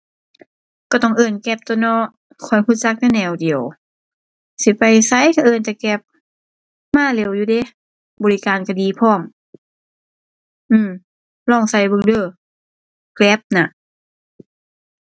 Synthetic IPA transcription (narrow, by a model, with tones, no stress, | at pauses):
ka˧˩t̪ɔ˧˩ŋʔɤː˧˩nkɛ˧˥p̚t̪o˧˨nɔː˧ | kʰɔ˧˩jkʰu˧˦t̪̚t͡ɕa˧˦k̚nɛ˧˨nɛː˧˩wdi˨əw | si˧˦pa˨jsa˧˥˨jka˧ʔɤː˧˩nt͡ɕa˧˩kɛ˧˩p̚ | maː˧˥˨le˧˩˨wjuː˧de˧˦ | bɔː˨li˧kaː˨nka˧diː˨˦pʰɔː˧˩˨m | ʔɯː˧˩m | lɔː˧˩˨ŋsa˧˩jbɯ˧˨ŋdɤː˧˩ | klɛ˧˥p̚na˧˨ʔ